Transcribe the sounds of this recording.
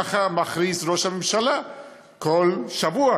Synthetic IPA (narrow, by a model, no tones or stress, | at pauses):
aχamaχɾisɾoʃhamemʃala | kʰolʃavua